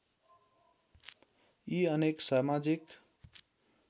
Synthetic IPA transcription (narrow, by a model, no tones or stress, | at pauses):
iʌneksamad͡zik